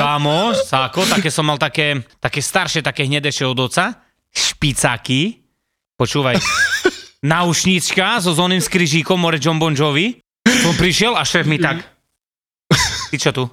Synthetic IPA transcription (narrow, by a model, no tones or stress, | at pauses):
aːmɔsakɔt̪akɛːsɔmːalˠt̪akɛːt̪akɛːst̪aɾʃɛt̪akɛːɦɲɛd̪ɛʃɛɔd̪ɔt͡sa | ʃpit͡saki | pɔt͡ʃuːʋaj | naut͡ʃɲit͡ʃkazɔzɔːnimskɾiʒiːkɔmɔɾɛd͡ʒɔmbɔnd͡ʒɔʋi | sɔmpɾiʃɪɛlaʃɛːfmit̪ak | t̪it͡ʃɔt̪u